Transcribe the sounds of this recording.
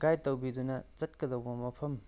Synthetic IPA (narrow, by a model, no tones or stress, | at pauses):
ɡ̥ajtɐwbidunɐt͡ʃɐt̚kɐdɐwbɐmɐpʰɐm